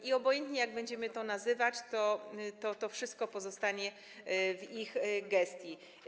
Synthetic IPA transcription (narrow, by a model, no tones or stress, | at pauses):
iɔbɔjɛnt̪ɲɛjaɡ̚bɛɲd͡ʑɛmɘt̪ɔnazɘvat͡ɕt̪ɔt̪ɔt̪ɔfʂɘst̪̚kɔpɔzɔst̪aɲɛ | vixɡɛst̪ʲji